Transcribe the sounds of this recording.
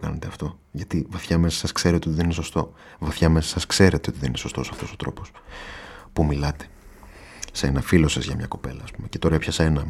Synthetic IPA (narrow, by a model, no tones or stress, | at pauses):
kɐ̰ne̞t̪e̞ɐft̪o̞ | ʝɐt̪ivɐθçɐmesɐ̥sɐskse̞ɾiot̪ioiðenineso̞st̪o̞ | vɐθçɐme̞sɐsɐskse̞ɾe̞t̪eot̪iðenineso̞st̪o̞sɐft̪o̞so̞t̪ɾo̞̰po̞s | pumilɐt̪e̥ | senɐfilo̞sɐzʝɐmɲɐko̞pe̞̰lɐ̰ːspume̞ce̞t̪o̞ɾɐɐpçɐsenɐ